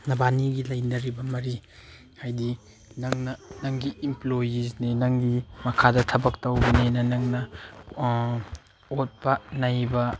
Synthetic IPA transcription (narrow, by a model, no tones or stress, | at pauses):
nɐbaniɡilɐjnɐɾibɐmɐɾi | hajdi | nɐŋnɐnɐŋɡiimplojizninɐŋɡimɐkʰadɐtʰɐbɐk̚tɐwbɐnenɐnɐŋnɐ | ot̚pɐnajbɐ